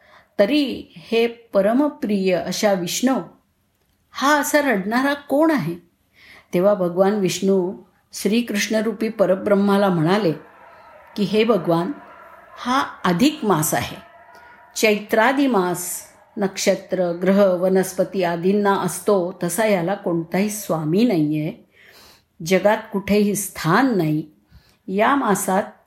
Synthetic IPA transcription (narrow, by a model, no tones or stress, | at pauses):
t̪əɾihepəɾəməpɾijəʔəɕaʋiʂɳə | haəsaɾəɽɳaɾakoɳaɦe | t̪eʋ̤abʱəɡʋanʋiʂɳu | ɕɾiːkɾuʂɳəɾupiːpəɾəbɾəmːalam̤əɽ̃ale | kiɦebʱəɡʋanhaəd̪ʱikmasa̰ɦe | t͡ɕəjt̪ɾad̪imas | nəkʂət̪ɾəɡɾəɦəʋənəspət̪iːad̪inːaʔəst̪ot̪əsajalakoɳt̪aɦisʋaminaie | d͡ʑəɡat̪̚kuʈʰeɦiːst̪ʰanːai | jamasat̪̚